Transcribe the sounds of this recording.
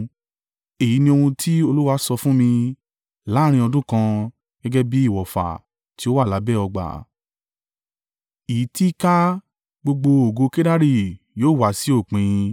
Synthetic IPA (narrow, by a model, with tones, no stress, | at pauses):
e˨ji˨˦nĩ˧o˧hũ˧tʰi˦o˧lu˦wa˧˦sɔ˧fũ˦mĩ˧ | la˨˦ɾ̃ĩ˧ɔ˧dũ˦kã˧ | ɡ̥ɛ˦ɡɛ˦bi˦i˦˨wɔ˨fa̰˨ | ti˧˦o˦wa˦˨la˨˦bɛ˦˨ɔ˧ɡ͡ba̰˨ | i˨i˨˦ti˦ka˦ | ɡ͡bo˧ɡ͡bo˧o˨ɡo˧ke˦da˦ɾi˦˨ | joː˨˦˨wa˨si˨˦o˦˨k͡pĩ˨˧